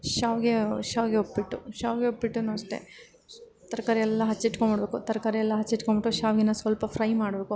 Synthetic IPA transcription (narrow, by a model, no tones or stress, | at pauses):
ʃaːʋɡeʃaːʋɡeopːiʈːuʃaːʋɡeopːbiʈːunuɐʂʈe̞̰ | t̪ɐɾɐkaːɾiɛlːɐɦɐt͡ʃːiʈkonmbɐɽɐbeːkut̪ɐɾɐkaːɾiɛlːɐɦɐt͡ʃːiʈːkoɳbiʈːuʃaːʋɡinːɐsʋɐlpɐfʰɾɐjmaːɽbe̞ːku